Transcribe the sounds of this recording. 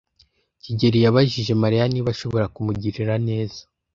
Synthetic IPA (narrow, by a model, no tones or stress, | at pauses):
ciɟe̞ɾijaβaʒiʒe̞maɾijaniβaʃo̞βo̞ɾakumuɟiɾiɾane̞ːz̥ḁ